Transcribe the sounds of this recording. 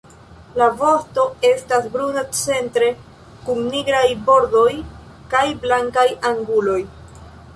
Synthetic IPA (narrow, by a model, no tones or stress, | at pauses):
lavo̞sto̞e̞stasbɾunat͡se̞ntɾe̞ | kuŋniɡɾajbo̞ɾdo̞j | kajblaŋkajaŋɡulo̞j